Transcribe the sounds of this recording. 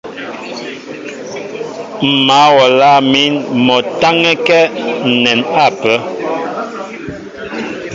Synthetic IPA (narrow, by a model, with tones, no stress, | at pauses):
m̩˨ma˨˦wɔ˨la˦˨mi˦nmɔ˨ta˦ŋɛ˦kɛ˦n̩˨nɛ˨na˦˨pə˨˦